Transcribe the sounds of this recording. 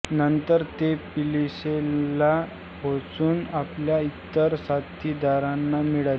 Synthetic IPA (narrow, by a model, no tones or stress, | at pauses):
nənt̪əɾt̪epilisela | bʱot͡suːnapljait̪ːəɾsat̪ːiːd̪aɾanːamiɭal